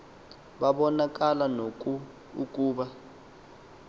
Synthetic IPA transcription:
ɓaɓɔnak̬ʼalanoku | uk̬ʼuːɓa

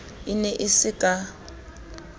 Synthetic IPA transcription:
ɪnɛʔɪsɪkʼa

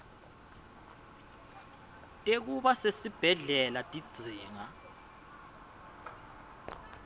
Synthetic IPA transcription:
tʼek̬uɓasesib̥ʱɛɮɛlatʼid̥z̥ʱiːŋa

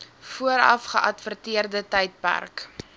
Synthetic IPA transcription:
fuəɾɐ̰fχəʔɐtfərtiərdətɛjt̚pæ̰rk

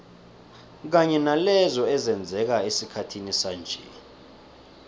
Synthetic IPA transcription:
k̬aɲɛnalɛzɔɛzɛnd͡zʱɛk̬aesikʰatʰinisand͡ʒʱɛ̰

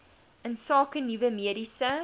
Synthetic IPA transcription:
ənsɑːkənivəmiəɾisə

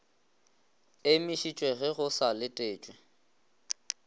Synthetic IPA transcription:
emiʃit͡ʃʼweɣɛɣʊsalɪtʼeːt͡ʃʼwɛ

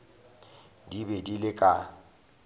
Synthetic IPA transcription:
dibedilɪkʼa

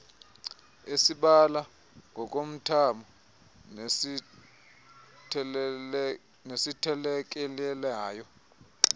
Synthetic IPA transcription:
esiɓala | ŋʱɔk̬ʼom̩tʰamɔ | nesitʰɛlɛk̬ʼɛlɛlaːjɔ

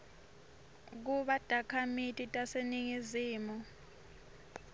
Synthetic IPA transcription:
k̬uɓad̥ʱakʰamitʼitʼaseniŋiziːmɔ

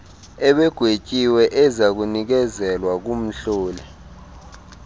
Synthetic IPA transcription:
ɛɓɛɡ̥ʱwet͡ʃʼiwɛʔɛzak̬unik̬ɛzɛlwak̬um̩ɬoːlɛ

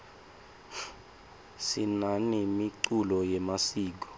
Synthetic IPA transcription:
sinanimiǀulɔjɛmasiːk̬ɔ̥

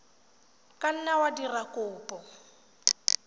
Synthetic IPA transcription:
kʼan̩nawadirakʼʊːpʼɔ

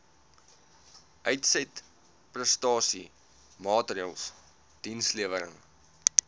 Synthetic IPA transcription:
ʔœɥtsɛt | prəstɑːsi | mɑːtriəlˠs | d̥insliəvəɾə̰ŋ

